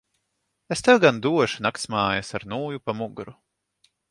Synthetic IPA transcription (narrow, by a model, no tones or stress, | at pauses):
est̪ɛwɡand̪uɔʃunakt̪smaːjasaɾnuːjupamuɡɾu